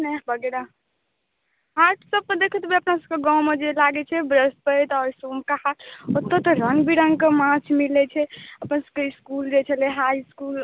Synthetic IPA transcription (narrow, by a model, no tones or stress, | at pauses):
nɛbəɡeɾa | ɦaɾʈʰsəb̚kəd̪ekʰət̪beəpnasəb̚keɡãwmed͡ʒelaɡɛt͡ʃʰɛbɾəspəjt̪ɔːɾsumkahat̪ot̪ːət̪əɾəŋɡbʱiɾəŋɡkemãt͡ʃʰmilɛt͡ʃʰɛəpnasəb̚keiskuld͡ʒet͡ʃʰəleɦajskul